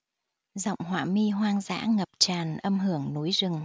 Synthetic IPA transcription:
za̰˧˨wŋ͡mɦwa̰ː˧˩mi˧ɦwaː˧ŋza̰ː˧˥ŋə˨˩p̚t͡ɕaː˨˩nʔə˧mɦɨ˧˩əŋnu˨˦jzɨ˨˩ŋ

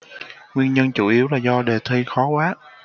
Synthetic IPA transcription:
ŋwi˧nɲə˧nt͡ɕu˧˩ʔi˨˦əwlaː˨˩zɔ˧ɗe˨˩t̪ʰi˧xɔ˨˦kwaː˨˦

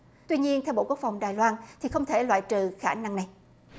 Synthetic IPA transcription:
t̪wi˧ɲi˧ənt̪ʰɛ˧wɓ̰o̰˧˨ku˦˥ək̚fa˨˩wŋ͡mɗaː˨˩jlwaː˧nt̪ʰi˨˩xə˧wŋ͡mt̪ʰe˧˩lwa̰ː˧˨jt͡ɕɨ˨˩xaː˧˩na˧ŋna˨˩j

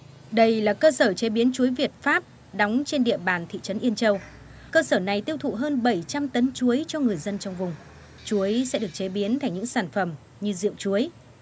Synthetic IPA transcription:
ɗə˧jlaː˨˩kəː˧səː˧˩t͡ɕe˨˦ɓi˨˦ənt͡ɕu˨˦əjvi˨˩ət̚faː˦˥p̚ | ɗa˨˦wŋ͡mt͡ɕe˧nɗḭ˧˨əɓaː˨˩nt̪ʰḭ˧˨t͡ɕə˨˦nʔi˧ənt͡ɕə˧w | kəː˧səː˧˩na˨˩jt̪i˧əwt̪ʰṵ˧˨ɦəː˧nɓə˧˩jt͡ɕa˧mt̪ə˨˦nt͡ɕu˨˦əjt͡ɕɔ˧ŋɨ˨˩əjzə˧nt͡ɕɔ˧wŋ͡mvʊ˨˩ŋ͡m | t͡ɕu˨˦əjsɛ̰˧˥ɗɨ˨˩ək̚t͡ɕe˨˦ɓi˨˦ənt̪ʰa˨˧˩jŋɲɨ̰˧˥ŋsaː˧˩nfə˧˩m | ɲɨ˧zḭ˧˨əŋ͡mt͡ɕu˨˦əj

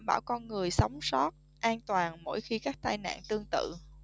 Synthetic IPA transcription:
mɓaː˧˩wkɔ˧nŋɨ˨˩əjsa˨˦wŋ͡msɔ˦˥t̚ | ʔaː˧nt̪waː˨˩nmo̰˧˥jxi˧kaː˦˥k̚t̪aː˧jna̰ː˧˨nt̪ɨ˧əŋt̪ɨ̰˧˨

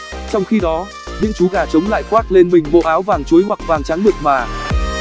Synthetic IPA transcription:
t͡ɕɔ˧wŋ͡mxi˧ɗɔ˨˦ | nɲɨ̰˧˥ŋt͡ɕu˨˦ɣaː˧˩t͡ɕə˨˦wŋ͡mla̰ː˧˨jkwaː˦˥t̚le˧nmï˨˩ŋ̟ɓo̰˧˨ʔaː˨˦wvaː˨˩ŋt͡ɕu˨˦jɦwa˨˩k̚vaː˨˩ŋt͡ɕaː˨˦ŋɓɨ˨˩ək̚maː˨˩

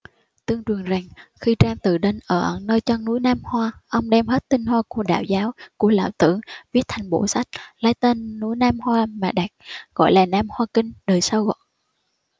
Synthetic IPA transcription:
t̪ɨ˧əŋt͡ɕwɨ˨˩əŋza˨˩ŋxi˧t͡ɕaː˧mt̪ɨ˨˩ɗe˧nʔəː˧˩ʔə˧˨˩nəː˧jt͡ɕə˧ŋnu˨˧˦jnaː˧mhwaː˧ʔə˧wŋ͡mɗɛ˧mhe˦˥t̚t̪ï˧ŋ̟hwaː˧ku˧˩əɗa̰ː˧˨wzaː˨˦wku˧˩əla̰ː˧˨wt̪ɨ̰˧˩˨ŋvi˦˥ət̚t̪ʰa˨˩jŋ̟ɓo̰˧˩sa˦˥jk̚laː˨˦jt̪e˧nːu˨˧˦jnaː˧mhwaː˧maː˨˩ɗa˨˩k̚ɣɔ̰˧˩˨jlaː˨˩naː˧mhwaː˧kï˧ŋ̟ɗəː˨˩jsə˧wɣɔ̰˧˨

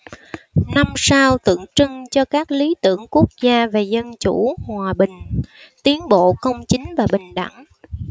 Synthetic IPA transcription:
na˧msa˧wt̪ɨ̰˧˨əŋt͡ɕɨ˧ŋt͡ɕɔ˧kaː˦˥k̚li˨˦t̪ɨ̰˧˨əŋku˦˥ək̚zaː˧ve˨˩zə˧nt͡ɕu˧˩hwaː˨˩ɓï˨˩ŋ̟t̪i˨˦ənɓo̰˧˨kə˧wŋ͡mt͡ɕï˨˦ŋ̟vaː˨˩ɓï˨˩ŋ̟ɗa̰˧˩ŋ

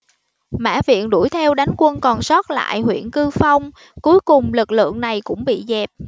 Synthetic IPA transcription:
ma̰ː˧˥vḭ˧˨ənɗu˧˩jt̪ʰɛ˧wɗa˨˦jŋkwə˧nkɔ˨˩nsɔ˦˥t̚la̰ː˧˨jhwḭ˧˨ənkɨ˧fa˧wŋ͡m | ku˨˦jkʊ˨˩ŋ͡mlɨ˨˩k̚lɨ̰˧˨əŋna˨˩jkʊ̰˧˥ŋ͡mɓḭ˧˨zɛ˨˩p̚

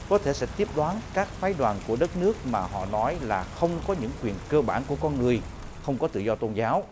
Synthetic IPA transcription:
kɔ˨˦t̪ʰe˧˩sɛ̰˧˥t̪i˦˥əp̚ɗwaː˨˦nkaː˦˥k̚faː˨˦jɗwaː˨˩nku˧˩əɗə˦˥t̚nɨ˦˥ək̚maː˨˩ɦɔ̰˧˨nɔ˨˦jlaː˨˩xə˧wŋ͡mkɔ˨˦ɲɨ̰˧˥ŋkwi˨˩ənkəː˧ɓaː˧˩nku˧˩əkɔ˧nŋɨ˨˩əj | xə˧wŋ͡mkɔ˨˦t̪ɨ̰˧˨zɔ˧t̪o˧nzaː˨˦w

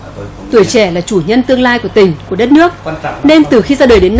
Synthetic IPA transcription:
t̪u˧˩əjt͡ɕɛ˧˩laː˨˩t͡ɕu˧˩ɲə˧nt̪ɨ˧əŋlaː˧jku˧˩ət̪ï˨˩ŋ̟ku˧˩əɗə˦˥t̚nɨ˦˥ək̚ne˧nt̪ɨ˨˩xi˧zaː˧ɗəː˨˩jɗe˨˦n˧

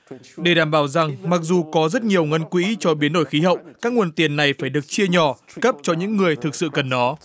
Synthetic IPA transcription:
ɗe˧˩ɗaː˧˩mɓaː˧˩wza˨˩ŋma˨˩k̚zu˨˩kɔ˨˦zə˦˥t̚ɲi˨˩əwŋə˧nkwḭ˧˥t͡ɕɔ˧ɓi˨˦nɗo̰˧˩jxi˨˦ɦə̰˧˨wkaː˦˥k̚ŋu˧˩ənt̪i˨˩ənːa˨˩jfaː˧˩jɗɨ˨˩ək̚t͡ɕi˧əɲɔ˧˩ | kə˦˥p̚t͡ɕɔ˧ɲɨ̰˧˥ŋːɨ˨˩əjt̪ʰɨ˨˩k̚sɨ̰˧˨kə˨˩nːɔ˨˦

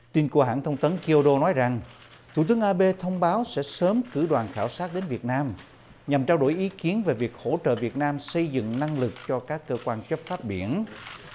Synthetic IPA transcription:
t̪i˧nku˧˩əɦa̰ː˧˥˨nt̪ʰə˧wŋ͡mt̪ə˨˦nki˧o˧ɗo˧nɔ˨˦jza˨˩ŋ | t̪ʰu˧˩t̪ɨ˨˦əŋʔaː˧ɓe˧t̪ʰə˧wŋ͡mɓaː˨˦wsɛ̰˧˥səː˨˦mkɨ˧˩ɗwaː˨˩nxaː˧˩wsaː˦˥t̚ɗe˨˦nvi˨˩ət̚naː˧m | ɲa˨˩mt͡ɕaː˧wɗo̰˧˩jʔi˨˦ki˨˦ənve˨˩vi˨˩ək̚ho̰˧˥t͡ɕə̰ː˧˨vi˨˩ət̚naː˧msə˧jzɨ̰˧˨ŋna˧ŋlɨ˨˩k̚t͡ɕɔ˧kaː˦˥kːəː˧kwaː˧nt͡ɕə˦˥p̚faː˦˥p̚ɓi˧˩ən

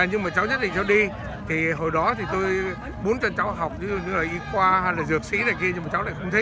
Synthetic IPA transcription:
ɲɨ˧ŋmaː˨˩t͡ɕa˨˦wɲə˦˥t̚ɗḭ˧˨ŋt͡ɕɔ˨˧˦ɗi˧ | t̪ʰi˨˩ɦo˨˩jɗɔ˨˦t̪ʰi˨˩t̪o˧j | ɓo˨˦nt͡ɕɔ˧nt͡ɕa˨˦wɦa˨˩wk͡p̚t̪ɨ˨˦o˧˩ɲɨ˧laː˨˩ʔi˧kwaː˧ha˧jlaː˨˩zɨ˨˩ək̚sḭ˧˥naː˨˩jki˧əɲɨ˧maː˨˩t͡ɕa˨˦wlaː˧˨xə˧ŋ͡mt̪ʰə˨˦

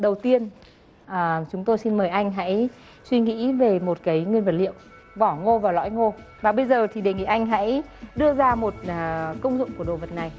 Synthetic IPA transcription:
ɗə˨˩wt̪i˧ən | ʔəː˨˩t͡ɕʊ˨˦ŋ͡mt̪o˧jsi˧nməː˨˩jʔa˧jŋ̟ɦa̰˧˥j | swi˧ŋḭ˧˥ve˨˩mo˨˩t̚kaː˨˦jŋwi˧ənvə˨˩t̚lḭ˧˨ə˨w | ɓɔ˧˩ŋo˧vaː˨˩wlɔ̰˧˥jŋo˧ | vaː˨˩ɓə˧jzəː˨˩t̪ʰi˨˩ɗe˨˩ŋḭ˧˨ʔa˧jŋ̟ɦa̰˧˥jɗɨ˧əzaː˧mo˨˩t̚ːkə˧wŋ͡mzʊ̰˧˨ŋ͡mku˧˩əɗo̰˧˨və˨˩t̚na˨˩j

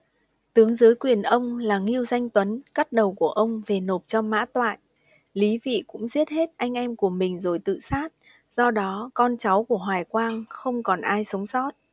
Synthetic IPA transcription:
t̪ɨ˨˦əŋzɨː˨˦jkwi˨˩ənʔə˧wŋ͡mlaː˨˩ŋi˧əwza˧jŋ̟t̪wə˨˦nka˦˥t̚ɗə˨˩wku˧˩əʔə˧wŋ͡mve˨˩no˨˩p̚t͡ɕɔ˧ma̰ː˧˥t̪wa̰ː˧˨j | li˨˦vḭ˧˨kʊ̰˧˥ŋ͡mzi˦˥ət̚he˦˥t̚ʔa˧jŋ̟ʔɛ˧mku˧˩əmï˨˩ŋ̟zo˨˩jt̪ɨ̰˧˨saː˦˥t̚ | z̥ɔ˧ɗɔ˨˦kɔ˧nt͡ɕa˨˦wku˧˩əɦwaː˨˩jkwaː˧ŋxə˧wŋ͡mkɔ˨˩nʔaː˧jsə˨˦wŋ͡msɔ˦˥t̚

